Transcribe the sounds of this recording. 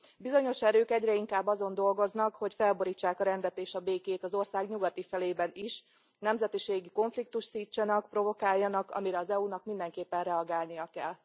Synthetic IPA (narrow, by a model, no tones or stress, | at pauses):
bizo̞ɲo̞ʃɛɾøːkɛɟrɛiŋkaːbːɒzo̞nd̪o̞lɡo̞znɒkho̞cfɛlbo̞ɾiːt͡ʃːaːkɒɾɛnd̪ɛt̪eːʃɒbeːkeːt̪ɒzo̞rsaːɡɲuɡɒt̪ifɛleːbɛniʃ | nɛmzɛt̪iʃeːɡiko̞ɱflik̚t̪uʃt̪siːt͡ʃːɒnɒk̚pro̞vo̞kaːjːɒnɒkɒ̰miɾɛɒzɛunɒkmind̪ɛŋkeːpːɛnrɛɒɡaːlnijɒkɛl